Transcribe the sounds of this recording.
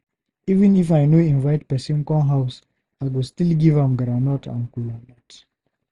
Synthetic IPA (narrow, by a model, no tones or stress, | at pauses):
ivɨ̃nifajnuĩnvaɪt̚pɛsĩmkɔ̃nɦaʊs | aɪɡɔstilɡivãmɡɾanɔtʰã̰nkulanat